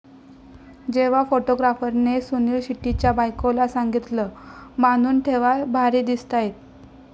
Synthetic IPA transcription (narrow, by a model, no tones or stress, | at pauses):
d͡ʑeʋ̤afoʈoɡɾafəɾnesuniːlɕiʈːit͡ɕjabajkolasaŋɡit̪ləmanuːnʈʰeʋabʱaɾiːd̪ist̪ajet̪̚